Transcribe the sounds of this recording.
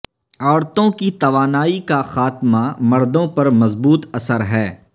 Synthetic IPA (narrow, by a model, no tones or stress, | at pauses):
ɔːɾt̪õkit̪ɐʋaːnaːikaxaːt̪mamɐɾd̪õpɐɾmɐzbuːt̪ɐsəɾɦɛː